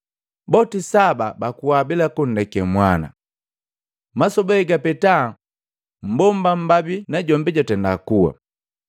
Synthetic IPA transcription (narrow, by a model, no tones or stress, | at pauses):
bɔtisababakuwabilakun̩dɛkɛmwana̰ | masɔbɛɛɡapɛta | m̩bɔmbam̩babinaɟɔmbɛɟatɛndakuwa̰